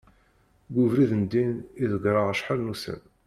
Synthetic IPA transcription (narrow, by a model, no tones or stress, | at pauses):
ɡʷʊvɾiðənd̪iniðəɡɾˤəʁəʃħaɾnusə̰m